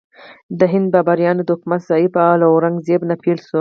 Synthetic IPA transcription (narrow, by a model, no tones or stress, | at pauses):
d̪əɦɪnd̪̚bɑbaɾjɑned̪əʊkmat̪z̥ɑibalaoɾaŋɡzebnapʰelsu